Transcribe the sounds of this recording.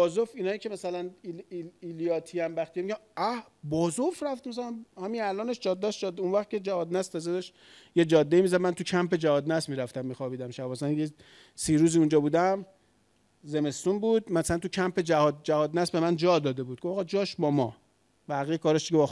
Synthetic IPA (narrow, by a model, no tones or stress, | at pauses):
ɒːzofinɒːicʰemæsælæn | ilijɒːt̪ʰiæmbæxt̪ijemiɡæmæ | bɒːzofɾæft̪mæs̬ælænhæminælɒːneʃd͡ʒɒːd̪ːæsd͡ʒɒd̪unvæχt̪̚kʰʲe̞d͡ʒæhɒːd̪næst̪ʰɒːzed̪ɒʃt̪ | jed͡ʒɒːd̪ːeimiːzæd̪mænt̪ucʰæmpe̞d͡ʒæhɒːd̪næsmiːɾæft̪æmːiːxɒbiːd̪æmʃæbɒːsænje | siːɾuːziːund͡ʒɒːbuːd̪æm | zeme̞st̪unbuːd̪̚mæsælænt̪ucʰæmpʰed͡ʒæhɒːd̪̚d͡ʒæhɒːd̪næsbe̞mænd͡ʒɒːd̪ɒːd̪e̞buːd̪̚ɡo̞fɑɣd͡ʒɒːʃbɒmɒ | bæɣijekʰɒːɾeʃd̪iebɒ